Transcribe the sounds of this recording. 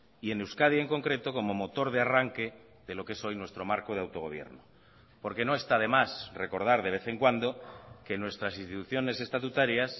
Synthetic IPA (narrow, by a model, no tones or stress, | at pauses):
ie̞newskaðjaeŋko̞ŋkɾe̞t̪o̞ko̞mo̞mo̞t̪o̞ɾð̞earaŋke̞ | ðe̞lo̞ke̞so̞jnwe̞st̪ɾo̞maɾkoðeawt̪o̞ɣo̞β̞je̞̰ɾno | po̞ɾke̞no̞e̞st̪aðe̞masre̞ko̞ɾð̞aɾðe̞β̞e̞θe̞ŋkwand̪o̞ke̞nwe̞st̪ɾasinst̪it̪uθjo̞ne̞se̞st̪at̪ut̪aɾjas